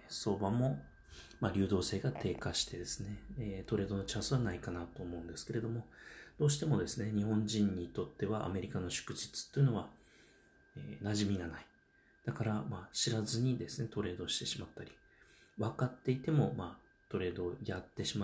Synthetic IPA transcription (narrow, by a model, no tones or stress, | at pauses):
so̞ːbamo̞ | maɾʲɨːd̪o̞ːse̞ːɡat̪ʰe̞ːkaɕi̥t̪e̞d̪e̞sɨ̥ne̞t̪o̞ɾe̞ːd̪o̞no̞t͡ɕãsɨβanaikanat̪o̞ːmo̞ɯ̃nd̪e̞sɨ̥ke̞ɾe̞d̪o̞mo̞d̪̥o̞ːɕ̬i̥t̪e̞mo̞d̪e̞sɨne̞ɲ̟ihõ̞ɲd͡ʑĩɲ̟ːit̪o̞t̪ːe̞βaʔa̰me̞ɾʲikano̞ɕɨ̥kɯ̟ʑi̥t͡sɨ̥t̪ːoiɯ̟no̞βa | eːnaʑimʲiɡanai̥ | d̪̥akaɾamaɕiɾazɨɲ̟id̪e̞sɨne̞t̪o̞ɾe̞ːd̪o̞ɕi̥t̪e̞ɕimat̪ːaɾʲi | βakat̪ːe̞it̪e̞mo̞maː | t̪o̞ɾe̞ːd̪o̞jat̪ːe̞ɕima